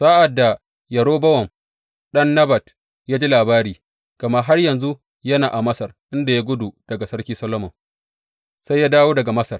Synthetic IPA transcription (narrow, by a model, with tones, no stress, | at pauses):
sa˦ʔa˨dːa˨ | jɐ˨ɽoː˦bɐ˦wɐ˨ŋ | ɗɐ˦nːɐ˦bɐ˨t | jaː˦d͡ʒi˦laː˨baː˦ɾiː˨ | kɐ˨ma˦ɦa˦rjɐ˨nzu˦ | jɐ˦naː˨ʔa˨mɐ˦sɐ˨rʔɪ˦nda˨ja˦ɡʷʊ˦du˨d̥ɐ˨ɡa˨sɐ˦ɽkʲiː˦sɐ˦lo˦mɔ˨ŋ | sa˦jaː˦daː˦woː˦dɐ˨ɡa˨mɐ˦sɐ˨r